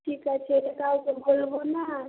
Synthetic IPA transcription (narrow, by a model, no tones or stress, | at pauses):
ʈʰikat͡ʃʰeekaukebolbona